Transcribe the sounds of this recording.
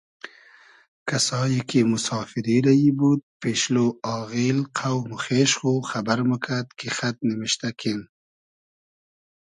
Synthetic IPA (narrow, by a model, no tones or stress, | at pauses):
kasɑjekemʊsɑːfɪɾiɾajibud̪̚peʃloɑːɣilqʰawmʊxeʃxoxabaɾmʊkʰad̪kʰexat̪̚nɪwɪʃt̪akʰen